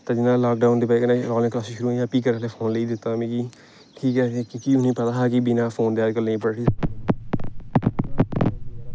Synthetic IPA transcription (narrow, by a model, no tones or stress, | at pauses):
t̪aːd͡ʒɪnaːlaːk̚ɖaːʊnd̪eːpaiːkənãɾɔːlɪ̃ŋklaːsiʃʊɾuːãːpiːk̬əɾleːpʰoːnleiːd̪ɪt̪ːaːmẽːkiː | ʈʰiːkɦɛːkiːʊnĩːpət̪aːɦaːkibɪnaːpʰoːnd̪eːaːd͡ʒkəlnẽːpəɽʈʰiː